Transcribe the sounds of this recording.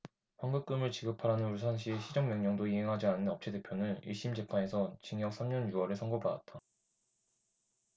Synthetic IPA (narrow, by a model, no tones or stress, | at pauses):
ɸwaŋɡɯk͈ɯmɯɭt͡ɕiɡɯpʰaɾanɯnuɭs̬ʰanɕʰiɕʰid͡ʑʌŋmjʌŋɲʌŋdoiɦe̞ŋɦad͡ʑianːɯnʌp̚t͡ɕʰede̞pʰjonɯniɭɕ͈imd͡ʑe̞pʰane̞sʰʌt͡ɕiŋjʌk̚s͈ʰamɲʌnjuʌɾeɭsʰʌŋɡobada̰t̚t͈a